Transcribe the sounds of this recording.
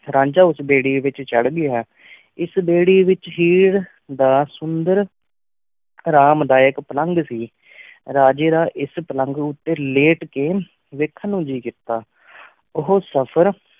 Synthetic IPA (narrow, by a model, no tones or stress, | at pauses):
ɾãːɲd͡ʒaːʊsbeːɽiːʋɪt͡ʃt͡ʃəɽɡɪjaː | ɪsbeːɽiːʋɪt͡ʃɦiːɽ | d̪aːsʊnd̪əɾ | ɾaːmd̪aːɪkpələŋɡsiː | ɾaːd͡ʒeːɾaːʔɪspələ̃ŋɡʊt̪ːeːleːʈkeː | ʋekʰːənũːd͡ʒiːkɪt̪aː | ʊɦoːsəpʰəɾ